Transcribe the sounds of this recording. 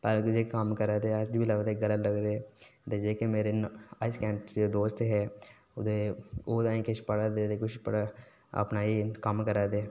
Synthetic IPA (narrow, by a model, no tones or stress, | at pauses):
paɾkʊd͡ʒekaːmkɐɾad̪ead͡ʒbʱilɐɡd̪eɡɐlət̪lɐɡd̪eːd̪ed͡ʒekemeːɾenaːɪskɛ̃ːmpod̪oːst̪ɦɛ | ʊd̪ʱeoːd̪aːĩkɪt͡ʃʰpɐɽad̪eːd̪ekʊt͡ʃʰpɐɽa | ɐ̰pnaːikamkɐɾaːd̪eː